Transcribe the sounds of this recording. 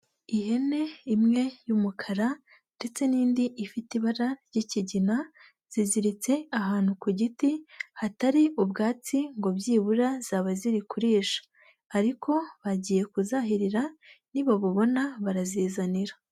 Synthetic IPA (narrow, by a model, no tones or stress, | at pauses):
ihe̞ne̞imŋe̞jumukʰaɾa | nde̞t͡se̞niːndiʔifitiβaɾaɾɟiciɟina | z̥iziɾit͡se̞aɦaːn̥hukuɟitihataɾiubɡaːt͡siŋɡo̞bjiːβuɾaz̥aːβaziɾikuɾiːʃḁː | ɾikʰo̞βaɟiːje̞kuzaɦiɾiɾaniβaβuβo̞naβaɾaziːzaniɾa